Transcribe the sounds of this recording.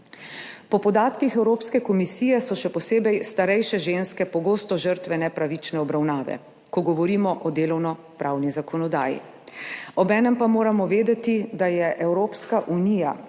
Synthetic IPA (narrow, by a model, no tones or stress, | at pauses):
pɔpɔd̪aːt̪kixɛwɾoːpskɛkɔmisiːjɛsɔʃɛpɔseːbɛjst̪aɾɛjʃɛʒeːnskɛpɔɡoːst̪ɔʒəɾt̪ʋɛnɛpɾaʋit͡ʃnɛɔbɾawnaːʋɛ̰ | kɔɡɔʋɔɾiːmɔʔɔd̪eːlɔwnɔ | pɾaːwnizakʰɔnɔd̪aːjḭ | ɔbɛːnɛmpamoːɾamɔʋeːd̪ɛt̪id̪ajɛʔɛwɾoːpskaʔunija